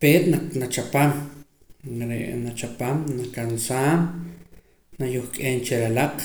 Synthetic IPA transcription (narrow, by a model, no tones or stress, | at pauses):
peːt̪nanat͡ʃapam | ɾeʔnat͡ʃapamnakansaːn | najuχkʼeːnt͡ʃeɾalaq